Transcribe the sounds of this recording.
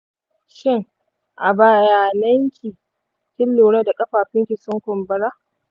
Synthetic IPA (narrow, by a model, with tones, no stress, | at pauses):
ʃɪ˦ŋ | ʔa˨baː˨jaː˨nɐ˦ŋkʲʰiː˨ | tʲɪ˦lːuː˨ɽɐ˦da˨kʼɐ˦ɸaː˨ɸɪ˦ŋkʲi˨sʊ˦ŋkʷʊ˨mbɐ˦ɾa˦